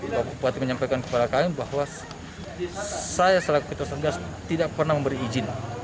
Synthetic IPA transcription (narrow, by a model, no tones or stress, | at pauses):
bakupuat̪iməɲampajkankə̥padakaibahwa | sajasəlakukət̪usaɡas | t̪idak̚pərnahməmbəɾiːd͡ʒɪn